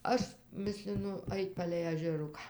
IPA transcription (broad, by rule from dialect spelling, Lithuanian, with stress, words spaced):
ˈɐʃ ˈmʲɪsʲlʲɪnʊ ˈɐɪtʲ pɐlʲɛɪ ɐʒʲɛˈrʊkɑː